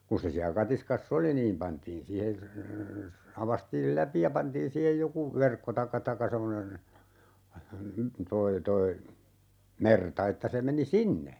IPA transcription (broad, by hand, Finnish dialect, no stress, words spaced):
kun̞ se siæ kɑtiskɑsː oli niːm pɑntiːn siːhe ɑʋɑstiːl læpi jɑ pɑntiːn siːhej joku ʋerkːo tɑĭkːɑ tɑkːɑ semːonen toi toi mertɑ etːæ se meni sinːe